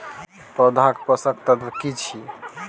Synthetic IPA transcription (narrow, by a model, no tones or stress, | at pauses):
pɾəd̪ʱakpəsəkt̪əd̪kit͡ʃʰi